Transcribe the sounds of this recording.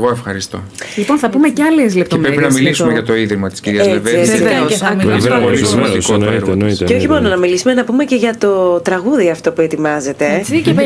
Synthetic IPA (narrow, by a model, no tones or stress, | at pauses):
ɣoefxɐɾist̪o̰ | lipo̞nθɐpume̞ceɐlezle̞p̚t̪oepɾeɾpinɐmilismeʝɐt̪o̞iðɾimɐt̪i̥sciɾiɐzeveeɐvɾoiɐioniɾnit̪eoçimo̞nonɐmilisume̞nɐpume̞ce̞ʝɐt̪ot̪ɾɐɣuðiɐft̪o̞pue̞t̪imɐze̞t̪e̞ie